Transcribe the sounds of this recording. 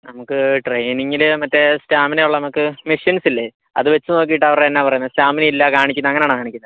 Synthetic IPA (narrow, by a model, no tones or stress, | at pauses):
nɐmukːɨʈrejniŋːilɨmɐtːestaːminejuɭːɐnɐmukːɨmiʂjɐnsilːe | ɐ̰ðɨʋe̞t͡ɕːɨno̞ːk̬ːijiʈːɐʋɐreenːaːpɐrɐjunːɐstaːmineilːɐkaːɳikʲːunːɐŋːɐneaːɳɨkaːɳikʲːunɐðɨ